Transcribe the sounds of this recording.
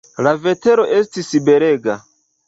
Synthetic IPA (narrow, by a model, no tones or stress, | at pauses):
lave̞te̞ɾo̞ʔe̞stisibe̞ɾe̞ɡa